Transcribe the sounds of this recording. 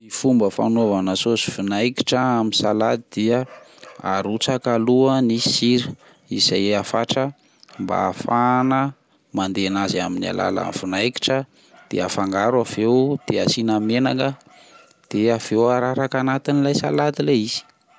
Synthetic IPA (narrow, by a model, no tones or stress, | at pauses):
ifumbəfa̰novanəsosi̥funajki̥ʈ͡ʂəaminsalad̪id̪̥iəa̰ɾut͡sakaluənisiɾ | izajafaʈ͡ʂə | mba̰ːfanə | mand̪eanaziaminia̰la̰la̰nfinajki̥ʈ͡ʂə | d̪̥ḛafaŋɡaɾuavewd̪̥easinəmenaŋə | d̪̥eav̥ewaɾaɾakanat̪inilajsa̰lad̪ileiz̥i̥